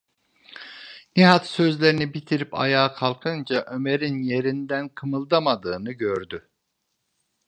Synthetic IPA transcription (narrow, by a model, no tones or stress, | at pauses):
niɦat̪sø̞zlʲe̞ɾinibit̪ʰiɾipa̰jaːkʰalˠkʰɯnd͡ʒaʔø̞meɾinje̞ɾind̪ænkʰɯmɯlˠd̪amad̪ɯːnɯɟøɾd̪y